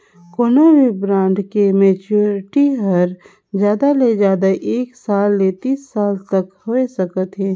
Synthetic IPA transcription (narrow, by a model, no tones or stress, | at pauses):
koːnaʋibɾãːɳɖkemɛːt͡ʃuɾɪʈiɦɐɾ | d͡ʒjaːd̪aled͡ʒaːd̪aʔeːksaːlːet̪iːsːaːlt̪ɐkhoesɐkət̪ɦɛː